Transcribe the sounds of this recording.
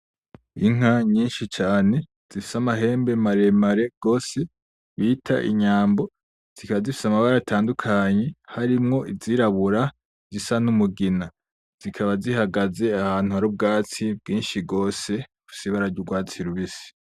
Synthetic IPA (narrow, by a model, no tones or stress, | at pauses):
iŋ̥aɲiːnʃit͡ʃaːne̞ | z̥ifi̥samaɦe̞ːmbe̞maɾe̞maɾe̞ɡ̥o̞ːse̞ | βiːtʰa̰ʔḭɲaːmbo̞ | z̥ikaβazifi̥samaβaɾatʰaːndukʰaɲe̞haɾimŋo̞ʔiziɾaβuɾa | zisanumuɡina | z̥ikʰaβazihaɡaze̞ahaːn̥uhaɾub̚ɡaːt͡sib̚ɡiːnʃiɡo̞ːse̞ufi̥siβaɾaɾɟuɡwaːt͡siɾuβisi̥